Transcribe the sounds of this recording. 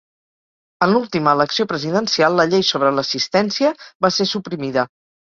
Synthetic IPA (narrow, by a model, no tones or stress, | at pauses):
ənlulˠt̪iməːləksiopɾəziðənsialˠːəʎejsoβɾələsist̪ɛnsiəβasesupɾimiðə